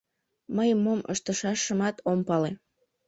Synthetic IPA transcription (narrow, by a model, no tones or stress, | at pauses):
məjmːomʔə̰ʃt̪əʃɑʃːəmɑt̪ompɑle